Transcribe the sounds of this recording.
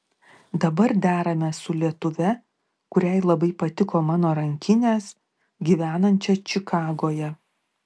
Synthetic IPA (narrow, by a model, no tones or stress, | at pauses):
d̪ɐbɐɾd̪ʲæːɾɐmʲɛsʊlʲiɛt̪ʊʋʲɛ | kʊɾʲæɪlˠɐbɐɪpɐt̪ʲɪkoːmɑːnoːɾɐŋʲkʲɪnʲeːs | ɡʲiːʋʲæːnɐnʲt͡ʃʲɛt͡ʃʲɪkɑːɡoːjɛ